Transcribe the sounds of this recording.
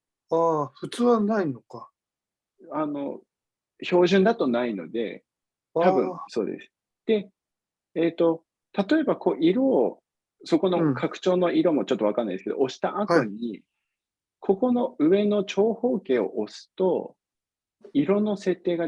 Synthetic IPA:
aɸɯ̟t͡sɨːβanainoka | ano̞̰ | ço̞ːʑɨ̃nd̪at̪o̞naino̞̰d̪e̞̰ | t̪abɯ̟̰̃ɴso̞ːd̪e̞̰sɨ̥ | d̪̥e̞ | eːt̪o̞ | t̪at̪o̞e̞bako̞ʔiɾo̞ | so̞ko̞nokʰakɯ̟̥t͡ɕo̞ːnoiɾo̞mot͡ɕot̪ːo̞βakanːa̰id̪esɨked̪o̰oɕi̥t̪aʔat̪oɲ̟i | kʰo̞ko̞no̞ɯ̟e̞no̞t͡ɕo̞ːho̞ːke̞ːo̞̰ʔosɨ̥t̪o̞ | iɾo̞no̞se̞t̪ːe̞ːɡa

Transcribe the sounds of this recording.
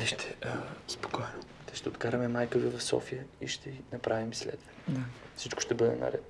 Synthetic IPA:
d̪iʃt̪ɛ̥spo̥kɔɛno | t̪ɛʃt̪ɛot̪kaɾɐmɛmajkəvivɐfsɔ̰fijəiʃt̪ʰɛinɐpɾavimslɛ̰d̪vɛd̪afsit͡ʃkʊ̥ʃt̪ɛbɤd̪ɛ̰nɐ̰ɾɛ̰t̪

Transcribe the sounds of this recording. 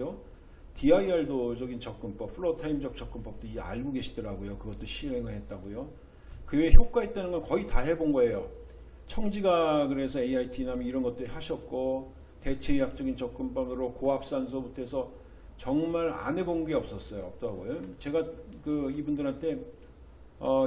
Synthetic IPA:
o | tiaiaɭdod͡ʑʌɡint͡ɕʌk̚k͈ɯnp͈ʌp̚pʰɯɭʌtʰaimd͡ʑʌk̚t͡ɕ͈ʌk̚k͈ɯnp͈ʌp̚t͈oia̰ɭɡuɡe̞ɕʰidɯɾaɡojokɯɡʌt͈oɕʰiɦe̞ŋɯɭhe̞t̚t͈aɡojo | kɯweçjok͈̚aɦet̚t͈anɯnɡʌnkʌitaɦe̞bonɡʌe̞jo | t͡ɕʰʌŋd͡ʑiɡaɡɯɾe̞sʰʌe̞iaitʰinamjʌniɾʌnɡʌt͈ɯɾihaɕʰʌt̚k͈o | te̞t͡ɕʰejak̚t͡ɕ͈ʌɡint͡ɕʌk̚k͈ɯnp͈ʌbɯɾokoɦap̚s͈ans̬ʰʌbutʰoesʰʌ | t͡ɕʌŋmaɾa̰nebonnɡe̞ʌp̚s͈ʌs͈ʌjoʌp̚t͈oɦaɡojot͡ɕe̞ɡakɯibundɯɾɦantʰe̞ | ʌ

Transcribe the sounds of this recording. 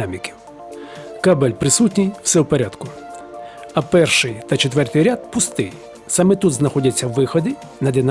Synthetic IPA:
amʲikʲɪ̥ | kabɛlʲpɾɪsut̬ʲnʲijw̥sɛwpeɾʲad̪kʊ | ɐpɛrʃɪjt̪ɐt͡ʃet̪ʋɛrt̪ɪjɾʲad̪̚pʊst̪ɪj | sɑmɛt̪ud̪znɐxɔdʲɐt͡sʲːɐwːɪxɔd̪ɪ | nɐd̪ɪn

